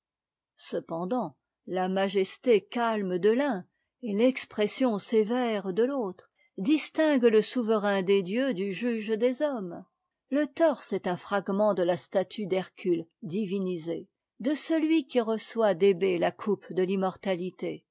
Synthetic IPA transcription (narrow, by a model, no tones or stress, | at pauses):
səpɑ̃d̪ɑ̃ | lamaʒɛst̪ekalmd̪əlɛ̃ | elɛkspχɛsjɔ̃sevɛʁd̪əlot̪χ | d̪ist̪ɛ̃ɡləsuvəʁɛ̃d̪ed̪jød̪yʒyʒd̪ezɔm | lət̪ɔʁsɛt̪ɛ̃fχaɡmɑ̃d̪əlast̪at̪ʰyd̪ɛʁkʲʰyld̪ivinize | d̪əsəlɥikʲiʁəswad̪ebelakʰupd̪əlimɔʁt̪alit̪e